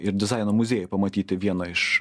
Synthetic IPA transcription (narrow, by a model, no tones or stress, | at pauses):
ɪɾd̪ʲɪzɑˑɪnoːmʊzʲeːjɛpɐmɐt̪ʲiːt̪ʲɪʋʲiɛnɐɪʃ